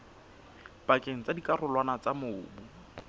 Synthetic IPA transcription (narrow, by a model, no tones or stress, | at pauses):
pakʼeŋ̩t͡sadikʼarʊlwanat͡samʊːbʊ